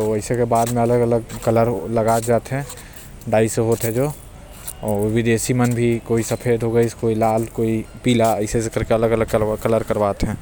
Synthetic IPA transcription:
t̪oəɪsekebaːd̪mẽɐləɡələɡkələɾləɡaːd͡ʒaːt̪ɦɛ̃ | ɖaːɪseɦoːt̪ɦɛ̃d͡ʒoː | ɔːʋɪd̪eːʃimənbʱikoːisɐpʰeːd̪ɦoɡəiskoːilaːlkoːipiːlaəɪsesekəɾkeɐləɡələɡ̚kkələɾkəɾbaːt̪ɦɛ̃ː

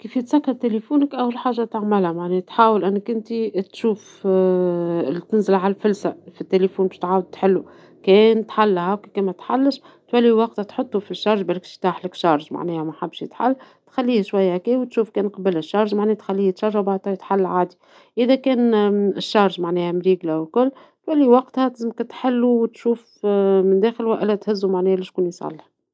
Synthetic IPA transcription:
kiːfjɪt̪sækːɑɾˤt̪elefuːnəkʔæwːlħaːʒːat̪aʕmɪlhæmaʕnɛːt̪ħaːwəlʔɪnːəkʔɪnt̪it̪ʃuːf | ɪlit̪ɪnzɪlʕallfʊlsafit̪ːelefuːnbɛːʃt̪ʕaːwʊd̪̚t̪ħɪlːu | kɛːnt̪ħalːhæwkikɛːnmæt̪ħalːəʃ | t̪wælːiwɑqt̪at̪ħot̪ˤːufiʃːɑɾˤʒbælɪkʃi̥t̪aːħlɪkʃɑɾˤʒma̰ʕnɛːhæmæħabːʃət̪ħa̰lː | t̪xælːiːhʃwæjːæhkiːwt̪ʃuːfkɛːnqɑbəlɪʃːɑɾˤʒmaʕnɛːht̪xælːiːht̪ʃɑɾˤʒawbaʕd̪t̪ˤɑjt̪ħalːʕaːd̪i | ʔɪðækɛːnɪʃːɑɾˤʒmaʕnɛːhæmɾiːɡlawkʊlː | t̪wælːiwɑqt̪hæt̪zmkt̪ħɪlːuwt̪ʃuːf | mɪnd̪æːxəlwæʔɪlæt̪hɪzːumaʕnɛːhæliːʃt̪kuːnisˤɑ̰lːh

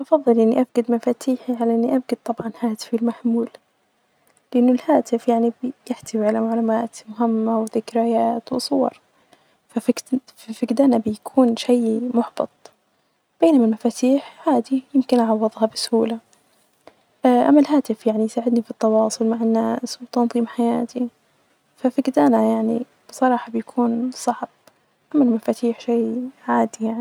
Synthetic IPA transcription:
ʔɑfɑðˤːɨlʔɪnːiʔafɡad̪mafaːt̪ʰiːħiʕalaʔɪnːiʔafɡad̪̚t̪ˤɑbʕɑnhaːt̪ɪ̥fɪlmaħmuːl | lɪʔɪnːʊlhaːt̪ɪfjaʕnibjɪħt̪ɪwiʕalamaʕluːmaːt̪mʊɦɪmːawɪðɪkɾajaːt̪wɪsˤʊwɑ̰ɾˤ | faffafɪɡd̪aːnabɪjakʰuːnʃajmʊħbɑt̪ˤ | b̥eːnamalmafaːt̪ʰiːħhaːd̪ijɪmkɪnʔɑʕɑwːɨðˤhɑbɪsʊhuːla | ʔʔa̰mːalɦaːt̪ɪfjaʕnijsaːʕɪd̪nifit̪ːɑwɑːsˤʊlmaʕanːaːswɪt̪ɑnðˤiːmħajaːt̪ʰi | fafɪɡd̪aːnajaʕni | b̥sˤɑɾˤɑːħɑbɪjakʰuːnsˤɑʕb̥̚ | ʔamːalmafaːt̪ʰiːħʃaːʕaːd̪ijaʕni

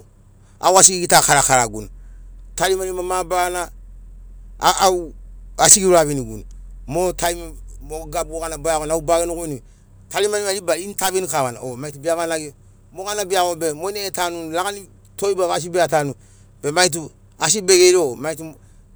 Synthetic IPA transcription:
a̰was̬iɡiɡitakaɾakaɾaɡṵntalimanimamabana | uasiɡiɾaβiniɡṵnmotʰaimmoɡabuokanabajakonaubaɡenukuni | talimanimalibaintaβinikaβana̰omaitubiaβanaɡi | mokanabiakobemoineetanunlaɡani | toibaβas̬ibeatanu | bemait̬u | as̬ibeɡeɾiomaitu

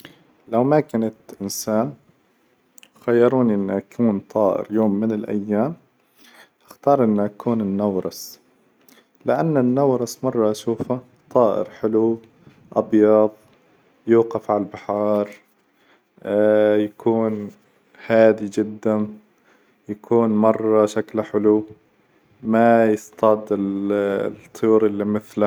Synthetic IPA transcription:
lawmakanat̪ʔɪnsaːn | xajːɑɾˤuːniʔɪnːʔakʰuːnt̪ˤʰɑːʔɪ̰ɾjoːmːɪnɪlʔa̰jːaːm | ʔaxt̪ɑːɾˤʔɪnːaʔakʰuːnɪnːawɾˤɑs | lɪʔanːanːawɾˤɑsmɑrˤːɑʔaʃuːfa | t̪ˤɑːʔɪ̰ɾħɪlu | ʔɑbjɑðˤ | juːqɑfʕalalbɪħɑːɾˤ | jakʰuːn | haːd̪id͡ʒɪd̪ːa | jakʰuːnmɑrˤːɑʃaklaħɪlu | majɪst̪ˤɑd̪ɪ | t̪ˤʰːʊjuːɾʔɪlːimɪθla

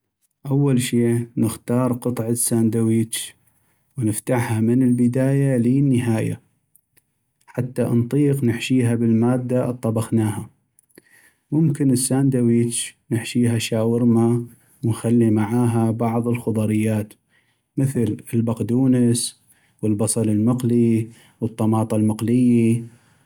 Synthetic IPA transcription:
ʔawːalʃeːnɪxt̪ɑːɾˤqɨt̪ˤʕasːaːnd̪awiːt͡ʃ | wnəft̪aʕhamənəlbɪd̪aːjaliːnːəɦaːja̰ | ħat̪ːant̪ˤiːqnɪħʃiːɦabɪlmaːd̪ːat̪ˤːɑbɑxnaːha | mʊmkɪnəsːaːnd̪awiːt͡ʃnɪħʃiːɦaʃaːwɪɾma | wnxalːimaʕaːɦabɑʕðˤəlxʊðˤɑɾɪjːaːt̪ | mɪθlɪlbaqd̪uːnəs | wəlbɑsˤɑlɪlmɪqli | wət̪ˤːɑmɑːt̪ˤɑlmɑqlɪjːi

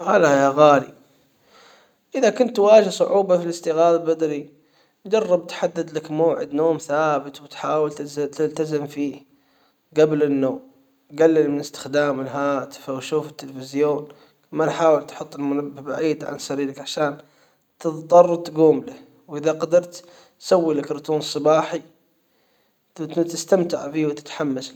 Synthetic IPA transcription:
ʔalajaɣaːlḭ | ʔɪðakʊnt̪waːd͡ʒɪhsˤʊʕuːbɑfilɪst̪iɣaːllbad̪ɾi | d͡ʒɑrˤːɑbt̪ħad̪ːad̪lakmoːʕɪd̪noːmθaːbɪt̪wɪt̪ħaːwɪlt̪zt̪ɪlt̪azɪmfiːh | ɡablɪnːoːm | ɡalːɪlmɪnɪst̪ɪ̥xd̪aːmɪlɦaːt̪ɪ̥fawʃuːfɪt̪ːɪlfɪzjoːn | manħaːwɪlt̪ħʊt̪ˤːɪlmʊnabːɪba̰ʕiːd̪ʕa̰nsaɾiːlakʕaʃaːn | t̪ɨðt̪ˤːɑrˤt̪ɡuːmla | wʔɪðaqɑd̪ɑɾˤt̪ | sawːilakɾʊt̪ʰuːnsˤɨbɑːħi | t̪ɪst̪amt̪ɪʕfiːwt̪ɪ̥t̪ħamːas

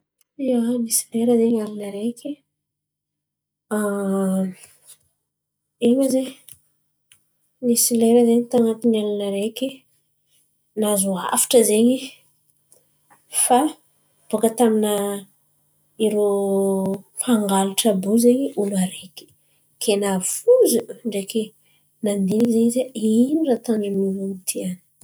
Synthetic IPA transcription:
ianisi̥leɾəzeɲalanəɾekʰʲi | a | eɲaze | nisileɾəzeɲit̪aŋat̪inalanaɾekʲi | nazua̰fi̥ʈ͡ʂəzeɲi | fa | b̥ukət̪amina | iɾo | pʰaŋɡaluʈ͡ʂabuzeɲiuluaɾekʲi̥ | kʰenafuzuɳɖ͡ʐeke | nand̪inikizeɲizeinirat̪animiɾunit̪ʰiani̥

